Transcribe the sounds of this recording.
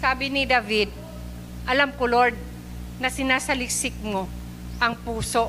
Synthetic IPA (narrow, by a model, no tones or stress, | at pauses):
saːbɪnɪd̪avɪd̪̚ | ʔɐlamkoloɹd̪̚ | nɐsɪnaːsɐlɪksɪk̚mo̞ | ʔɐŋpuːso̞